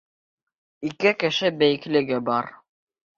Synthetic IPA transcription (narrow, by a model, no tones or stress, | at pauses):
ikɘkɘ̆ʃɘbæjɘ̆klɘ̆ɡɘbɑɾ